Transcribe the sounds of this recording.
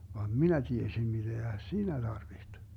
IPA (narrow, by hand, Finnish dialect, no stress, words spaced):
ʋɑːm minæ tiesim mid̥eæ siːnæ d̥ɑrʋiht